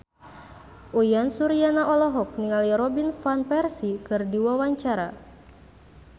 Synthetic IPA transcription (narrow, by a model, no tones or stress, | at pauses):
ʔujansuɾianaʔɔlɔɦɔk̚niŋaliɾɔbinfanpɛrsikɨrdiwawaɲt͡ʃaɾa